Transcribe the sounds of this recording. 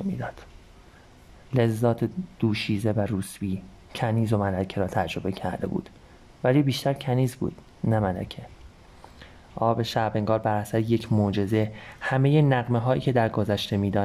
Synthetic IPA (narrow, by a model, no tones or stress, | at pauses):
mḭːd̪ɒːd̪̥ | le̞zːɒːt̪ʰed̪̥uːʃiːze̞væɾuːsbiː | cʰæniːzo̞mælæcʰeɾɒːt̪ʰæd͡ʒɾo̞be̞cʰæɾd̪e̞̰bṵːd̪̥ | væliːbiːʃt̪æɾcʰæniːzbṵːd̪̥ | næmælæ̰cʰe | ʔɒːbeʃæbeŋɡɒːɾbæɾæsæɾeje̞cʰmoːd͡ʒe̞ze̞hæme̞jenæɣmeɦɒːjḭːcʰe̞d̪æɾɡozæʃt̪e̞miːd̪ɒː